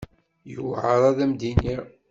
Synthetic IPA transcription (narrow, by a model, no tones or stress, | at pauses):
juwʕəɾˤɑðæmd̪iniɾ